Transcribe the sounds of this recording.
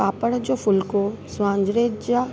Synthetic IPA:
aːpəɽd͡ʑoːfʊlko | sʊʋãːɲd͡ʑɾeːd͡ʑd͡ʑa

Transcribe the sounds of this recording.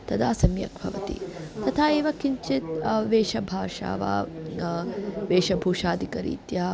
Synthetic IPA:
t̪ɐd̪aːsɐmjɐ̰k̚bʱɐʋɐt̪ḭt̪ɐt̪ʰaːeːʋɐkiɲt͡ʃit̪ʋeːʃɐbʱaːʂa̰ːʋa̰ː | ʋeːʃɐbʱuːʂaːd̪ʱikɐɾḭːt̪ja

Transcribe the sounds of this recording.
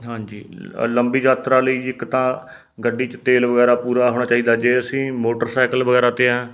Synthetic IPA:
ɦãːɲd͡ʒḭːləmbiːd͡ʒaːt̪ɾaːləiːɪkt̪ãː | ɡəɖːiːt͡ʃət̪eːlʋəɡɛːɾaːpuːɾaːɦoːɽ̃aːt͡ʃaːiːd̪aːd͡ʒeːəsĩːmoːʈəɾsaːkəlʋəɡɛːɾaːt̪eːãː

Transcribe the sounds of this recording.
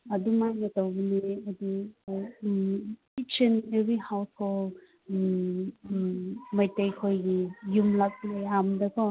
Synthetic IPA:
ɐdumajnɐtawbiniɐdu | it͡ʃenebɾihawshol | majtajkʰojɡijumlak̚lajamdɐkʰɔ

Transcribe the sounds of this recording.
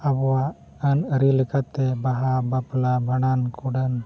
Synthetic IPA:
abɔwaʔ | ənəɾilɛkat̪ɛbaɦabaplabʱaɽ̃ankuɖən

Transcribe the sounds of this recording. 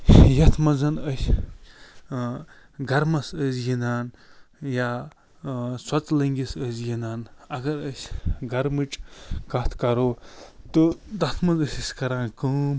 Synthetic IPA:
jɐt̪ʰmɐzɐnəsʲ | ɡɐɾmɐsəzjinaːnjaː | swɐt͡slɐŋɡisəzjinaːnɐɡɐɾɐsʲɡɐɾmit͡ʃʼkɐt̪ʰkɐɾoːt̪od̪ɐt̪ʰmɐzɐsʲisʲkɐɾaːnkuːm

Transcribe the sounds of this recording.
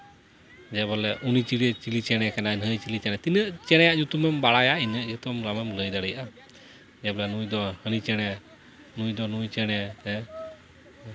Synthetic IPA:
d͡ʒɛbɔlɛʔunit͡ʃiɽiɛt͡ʃilit͡ʃɛɽ̃ɛkɛnanɦəjt͡ʃilit͡ʃɛnɛt̪inəʔt͡ʃɛɽ̃ɛjaʔd͡ʒut̪umɛmbaɽajaʔinəʔd͡ʒut̪umɾamɛmləjd̪aɽəjaʔa | d͡ʒɛblɛnujd̪ɔhənit͡ʃɛɽ̃ɛ | nujd̪ɔnujt͡ʃɛɽ̃ɛɛ

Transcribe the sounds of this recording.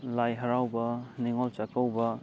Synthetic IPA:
lajɦɐɾawbɐniŋolt͡ʃakɐwbɐ

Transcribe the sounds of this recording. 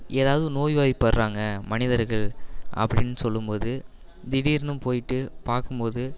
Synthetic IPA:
ʔeːðaːʋɐðɯnoːjʋaːjpːɐɾɾaːŋɡɐmɐnɪðɐɾɣɐɭʔɐ̰pːɐɽɪnːsɔlːɯmpoːðɯ | d̪ɪɽiːɾnɯmpoːjɪʈːɯpaːɾkɯmpoːðɯ

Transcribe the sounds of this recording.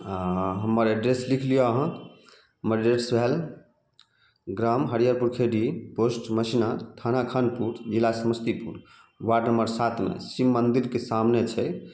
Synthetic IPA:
ɦəmːəɾeɖɾeslikʰlijoəɦə̃ | ɦəməɖɾeʈsbʱel | ɡɾamɦəɾjaɾpuɾkʰeɖiposʈməsinat̪ʰanakʰənpuɾd͡ʒilasəməst̪ipuɾ | waɖnəmbəɾsat̪mḛsimːənd̪iɾkesamnet͡ʃʰɛ

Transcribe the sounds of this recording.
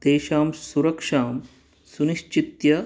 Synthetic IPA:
d̪̥eːʃaːmsuɾɐkʂaːm | suniʃt͡ʃit̪jɐ

